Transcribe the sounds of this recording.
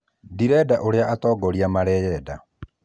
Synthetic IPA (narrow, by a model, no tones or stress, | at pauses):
diɾɛdaʔoɾeaʔatɔːɡɔɾiamaɾɛjɛda